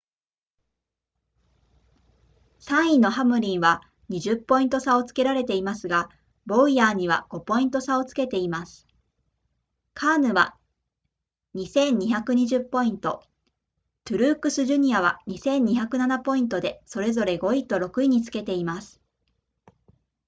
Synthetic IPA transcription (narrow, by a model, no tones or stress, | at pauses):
sãɰ̃ino̞ɦamɯ̟ɾʲĩɰ̃βa | ɲ̟iʑɨpːo̞ĩnt̪o̞sao̞t͡sɨ̥ke̞ɾaɾe̞t̪e̞imasɨɡa | bo̞ijaːɲ̟iβa̰ɡ̥o̞po̞ĩnt̪o̞sao̞t͡sɨ̥ke̞t̪e̞imasɨ̥ | kʰaːnɯ̟βa̰ | ɲ̟isẽ̞ɲ̟ːiçakɯ̟ɲ̟iʑɨpːo̞ĩnt̪o̞ | t̪ɯɾɯ̟ːkɯ̟sɨʑɨɲ̟iaβa̰ɲ̟isẽ̞ɲ̟ːiçakɯ̟nanapo̞ĩnt̪o̞d̪e̞so̞ɾe̞zo̞ɾe̞ɡo̞it̪ːo̞ɾo̞kɯ̟iɲ̟it͡sɨ̥ke̞t̪e̞imasɨ̥